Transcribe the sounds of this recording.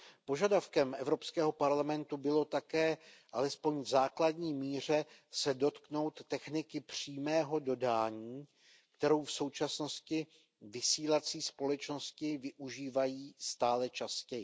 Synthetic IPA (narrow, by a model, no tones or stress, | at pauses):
po̞ʒadafkɛmʔɛvɾo̞pskɛːɦo̞paɾlamɛnt̪ubɪlo̞t̪akɛːʔalɛspo̞ɲvzaːkladɲiːmiːr̝ɛsɛdo̞t̪kno̞wt̪ːɛxnɪkɪpr̥iːmɛːɦo̞do̞daːɲiː | k̚t̪ɛɾo̞wfso̞wt͡ʃasno̞scɪ | vɪsiːlat͡siːspo̞lɛt͡ʃnoscɪvɪʔuʒiːvajiːst̪aːlɛt͡ʃascɛjɪ